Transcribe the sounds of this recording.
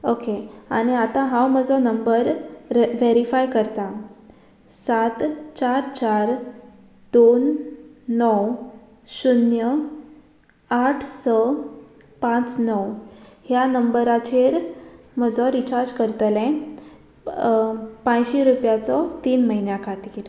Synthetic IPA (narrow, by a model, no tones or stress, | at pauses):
okeaɽ̃iat̪ãɦãwməd͡zɔnəmbəɾʋeɾifajkəɾt̪ã | sat̪t͡ɕaɾt͡ɕaɾ | d̪̥onː | ɔw | sunjə | aʈʰsə | pãt͡snɔwhjanəmbəɾat͡ɕeɾ | m̤əd͡zɔɾit͡ɕaɾd͡ʑkəɾt̪lɛ̃ | pãjɕeɾupjat͡sɔt̪iːnməɦinjakʰat̪iɾ